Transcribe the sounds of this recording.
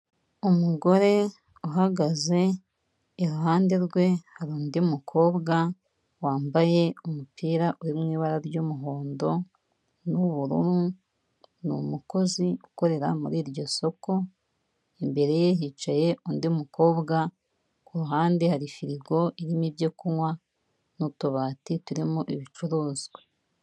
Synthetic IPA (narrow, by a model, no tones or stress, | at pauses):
omuɡo̞ɾe̞ | uɦaɡaze̞ː | ɾuɦaːnde̞ɾɡwe̞haɾuːndiumukʰo̞ːβɡa | waːmbaje̞omupiːɾaʔuɾimŋiːβaɾaɾɟomuɦoːndo̞ | nuβuɾṵɾu | nṵmuko̞ziuko̞ɾe̞ɾa̰muɾiːɾɟo̞so̞ko̞ | imbe̞ɾe̞jeɦit͡ʃaje̞ʔuːndiumuko̞ːβɡa | uɾuɦaːndihaɾifiɾiɡo̞ʔiɾimibɟokuwa | nutoβaːtituɾimuʔiβit͡ʃuɾuːzɡwe